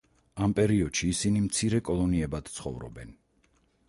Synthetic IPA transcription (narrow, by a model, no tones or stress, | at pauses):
ampʼɛɾiɔd̪̥ʃiːsinimt̪sʰiɾɛkʼɔlˠɔniɛbad̪̥t̪sʰχɔ̰vɾɔ̰bɛn